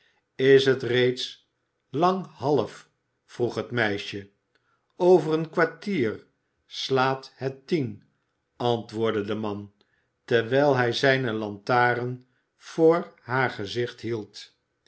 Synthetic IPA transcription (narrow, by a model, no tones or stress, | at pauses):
ɪsɦətrejts | lɑŋɦɑləf | fruχɦətmɛjʃə | owvərənkʋaɹtiːr | slaːthətin | ɑntʋʊːɹdədəmɑn | tɛɹʋɛjlˠɦɛjzɛjnəlɑntaːɾən | v̥oːɹɦaːɹχəzɪχtɦilˠt